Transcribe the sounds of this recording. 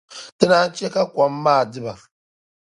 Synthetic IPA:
tɨ˦na˦n̩˦t͡ʃe˦ka˦kʷa˨mː˦aː˦˨dɨ˦ba˨

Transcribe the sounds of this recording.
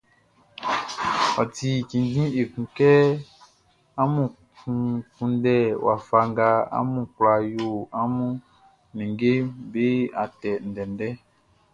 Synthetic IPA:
ɔ̰˨ti˨kĩ˨ndĩ˦e˨kũ˨kɛ˦ | a˦mũ˨ | kũ˨˦kũ˧n˦dɛ˦˨wa˨fa˧ŋɡa˧a̰˦mũ˨kla˨jo˦˨a˦mũ˦ | nĩ˨ɡe˦be˦a˨tɛ˨n̩˨dɛ˨ndɛ˦

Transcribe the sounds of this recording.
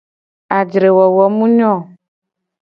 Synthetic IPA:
a˨d͡ʒɾe˨wɔ˨wɔ˨mũ˦ɲɔ̃˦˨

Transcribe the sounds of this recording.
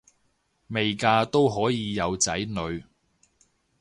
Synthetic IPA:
me˨jkaː˧t̪o˥wɦɔː˨˥jiː˨˧jɐ˨˧wt͡sɐ˨˥jnɵ˨˧ɥ

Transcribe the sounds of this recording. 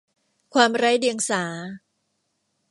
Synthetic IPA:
kʰwaː˧mɾaː˦˥jdi˧əŋsaː˩˦

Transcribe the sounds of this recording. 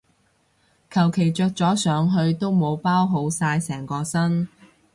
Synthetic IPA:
kʰɐ˨˩wkʰe˨˩jt͡sœː˧k̚t͡sɔː˨˥sœː˨˧ŋɦɵ˧ɥt̪o˥wmo˨˧wpaː˥wɦo˨˧wsaː˧jsɛː˨˩ŋkɔː˧sɐ˥n

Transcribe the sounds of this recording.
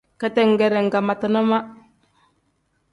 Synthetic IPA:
ka˨tɛ˦˨ŋ˨ɡɛ˨ɾɛ˨ŋ̩˨ɡa˨ma˨tə˨nɔ˦ma˦

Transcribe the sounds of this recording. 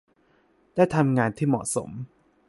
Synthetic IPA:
d̥aː˥˩jt̪ʰa˧mŋaː˧nt̪ʰiː˥˩mɔ̰˨˩ʔso̰˩˦m

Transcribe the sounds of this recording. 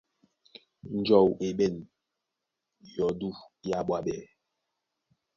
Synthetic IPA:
n˨d͡ʒɔ˨we˨ɓɛ˦˨n | jɔ˨du˦˨ja˦˨ɓwa˦ɓɛ˨

